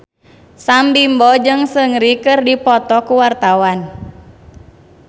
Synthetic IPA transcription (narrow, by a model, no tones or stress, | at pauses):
sambimbɔd͡ʒɨŋsəŋɾikɨrdipɔt̪ɔkuwart̪awan